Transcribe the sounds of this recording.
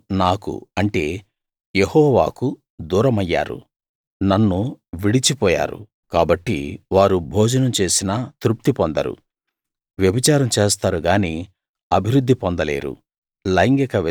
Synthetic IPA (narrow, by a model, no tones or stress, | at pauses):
naːkṵɐɳʈe̞ː | jehɔːʋa̰ːku | d̪uːɾɐmɐjːa̰ːɾṵ | nɐnːuʋiɽit͡ʃipɔːja̰ːɾṵ | kaːbɐʈːḭʋaːɾubʱoːd͡ʒɐnɐmt͡ʃeːsinɐt̪ɾup̚t̪ipond̪ɐ̰ɾṵ | ʋjɐbit͡ʃaːɾɐmt͡ʃeːst̪aːɾuɡaːniː | ɐbʱiɾud̪ʱːipɔnd̪ɐle̞̰ːɾṵ | lɐjŋɡikɐʋ